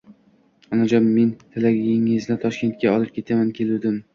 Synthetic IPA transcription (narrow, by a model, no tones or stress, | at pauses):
ɒnad͡ʒɒmːent̪ʰɪlaɡʲɪŋɪznɪt̪ʰɒʃkʲe̞nt̪̚kʲaɒlˠɪp̚kʲʰe̞t̪ʰamankʲʰe̞lud̪ɪm